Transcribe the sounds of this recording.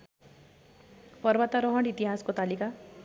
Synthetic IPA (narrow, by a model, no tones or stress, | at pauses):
pʌɾbat̪aɾɔɦʌɽ̃it̪iɦaskot̪alika